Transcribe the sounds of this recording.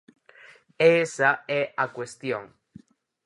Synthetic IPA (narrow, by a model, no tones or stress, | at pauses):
esaeʔakwest̪joŋ